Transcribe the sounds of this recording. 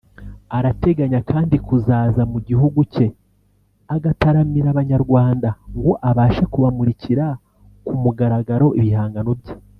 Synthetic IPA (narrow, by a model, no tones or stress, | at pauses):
aɾate̞ɡaɲakʰaːndikuzaːzamuɟiɦuɡuce̞ | aɡataɾamiɾaβaɲaɾɡwaːndaŋɡo̞ʔaβaːʃekuβamuɾiciɾa | kumuɡaɾaɡaɾo̞ʔiβihaːŋɡano̞bje̥